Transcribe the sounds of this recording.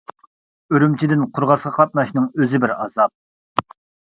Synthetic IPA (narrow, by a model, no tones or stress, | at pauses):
øɾymt͡ʃʰid̪ɪnqʰʊɾʁɑsʁɑqʰɑt̪̚nɑʃnɨŋøzɪbɪɾɑ̰zɑp̚